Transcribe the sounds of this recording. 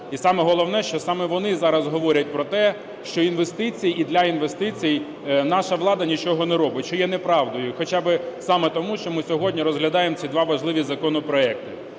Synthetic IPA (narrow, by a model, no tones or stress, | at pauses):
isɑmɛɦɔlˠɔwnɛʃt͡ʃɔsɑmɛʋɔnɪzɑɾɐzɦɔʋɔɾʲɐt̚ʲpɾɔt̪ɛ | ʃt͡ʃɔinʋest̪ɪt͡sʲijid̪lʲɐinʋest̪ɪt͡sʲij | nɑʃɐʋlˠɑd̪ɐnʲit͡ʃɔɦɔnɛɾɔbɪtʲt͡ʃɔjɛn̪ɛpɾɑʋd̪ɔjʊxɔt͡ʃɑbɪsɑmɛt̪ɔmuʃt͡ʃɔmɪsʲɔɦɔdʲnʲiɾɔzɦlʲɐd̪ɑjemt͡sʲid̪ʋɑʋɐʒlˠɪʋʲizɐkɔnɔpɾɔɛk̚t̪ɪ